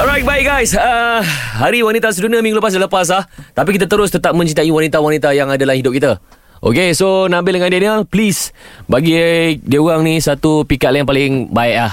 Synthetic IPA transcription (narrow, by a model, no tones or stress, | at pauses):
ɔɾajt̪̚baɪʔ̚ɡajsəɦaɾiwanit̪as̬əduniamiŋɡuləpas̬daləpas̬laht̪ap̬ikit̪at̪əɾʊst̪ət̪ap̚mə̃ɲt͡ʃit̪aʔiwanit̪awanit̪ajaŋadalahidʊp̚kit̪a | ʔo̰kesonãmbɪldəŋãndanəlplisbaɡidiəuaŋnisat̪upikat̪̚lajaŋpalɪŋbaɪʔ̚lah